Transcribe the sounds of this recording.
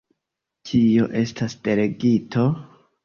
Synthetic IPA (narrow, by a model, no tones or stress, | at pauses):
t͡ʃʰio̞ʔe̞stasd̥e̞ɾe̞ɡitʰo̞